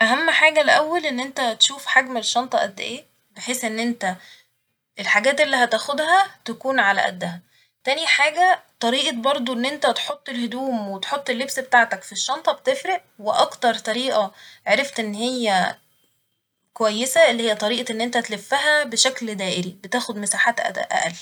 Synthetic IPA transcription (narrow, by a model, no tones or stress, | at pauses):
ʔæɦæmːħaːɡælʔæwːælʔenːʔent̪æt̪eʃuːfħaɡmeʃːɑnt̪ˤɑʔæ̰d̪ːʔeː | beħeːsʔenːʔent̪æ | ʔelħaɡæːt̪ʔelːiɦæt̪æːxod̪hæt̪ækuːnʕalæ̰ʔæ̰d̪ːæhæ | t̪æniħaːɡæt̪ˤɑɾiːʔɑbɑɾˤd̪ˤoʔenːʔent̪æt̪ħot̪ˤːelhod̪uːmwet̪ħot̪ˤːelːebsbet̪aʕt̪ækfiʃːɑnt̪ˤɑbet̪efɾeʔweʔɑkt̪ɑɾˤt̪ˤɑɾiːʔɑʕaɾeft̪ʔenːɦejːæ | kowæjːesæelːiːhejːæt̪ˤɑɾiːʔɑʔenːʔent̪æt̪elefːæɦæbeʃækld̪æːʔeɾibet̪æːxod̪mesaːħaːt̪ʔæ̰ʔæ̰ʔæ̰l